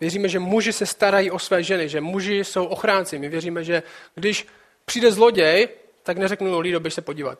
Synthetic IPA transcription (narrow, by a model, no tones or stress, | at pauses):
vjɛriːmɛʒɛmuʒɪsɛst̪aɾajiːʔosvɛːʒɛnɪʒɛmuʒɪso̞wʔo̞xɾaːnt͡sɪmɪvjɛriːmɛʒɛɡdɪʃ | pr̥iːdɛzlo̞ɟɛj | t̪aknɛrɛknudoliːdobɛʃsɛpo̞ɟiːva̰t̪̚